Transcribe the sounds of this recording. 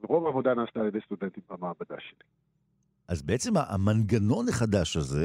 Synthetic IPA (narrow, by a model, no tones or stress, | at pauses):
veʁo̞vavod̪anaːst̪aːljed̪ejst̪ud̪ent̪imbamaːbad̪a̰ʃeli̥ | ʔazbeʔet͡se̞maʔa̰manɡano̞neχad̪aʃaze̞